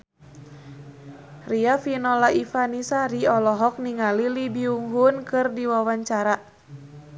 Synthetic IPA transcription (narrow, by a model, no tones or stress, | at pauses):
riafinɔlaifanisaɾiɔlɔɦɔk̚niŋalilibiuŋɦunkɨrdiwawaɲt͡ʃaɾa